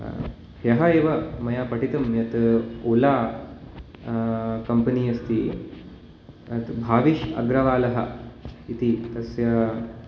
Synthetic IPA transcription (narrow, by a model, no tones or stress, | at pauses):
jɐɦɐeːʋɐmɐjaːpɐʈit̪ɐmjɐt̪oːlaː | kɐmpɐniːɐst̪i | ɐt̪bʱaːʋiʃɐ̰ɡɾɐʋaːlɐɦɐ̰it̪it̪ɐsjɐ